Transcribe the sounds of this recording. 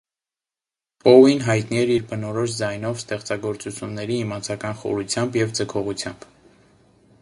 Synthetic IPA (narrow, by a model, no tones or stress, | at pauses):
pɔwinɦɑjt̪niɛɾiɾbənɔɾɔʃd͡zɑjnɔvst̪ɛχt͡sɑɡɔɾt͡sut͡sʰjunːɛɾiːmɑt͡sʰɑkɑnχɔ̰ɾut͡sʰjɑmbjɛvd͡zəkʰɔʁut͡sʰjɑmb